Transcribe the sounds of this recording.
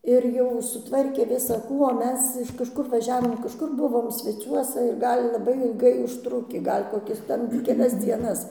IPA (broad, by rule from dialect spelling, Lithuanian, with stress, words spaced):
ɪr ˈjɛʊ sʊˈtʋɐrʲkʲeː ʋʲɪsɐˈkuː oː ˈmʲɛs ɪʃ kɐʃˈkʊr ʋɐˈʒʲæːʋoːm kɐʃˈkʊr ˈbʊʋoːm sʲʋʲɛˈt͡sʲuɔsɐ ɪr ˈɡɐlʲ lˠɐˈbɐɪ ɪlˠˈɡɐɪ ʊʃˈtrʊkʲiː ˈɡɐlʲ koːˈkʲɪs ˈtʲɛn kʲɛˈlʲɛs ˈd͡zʲiɛnɐs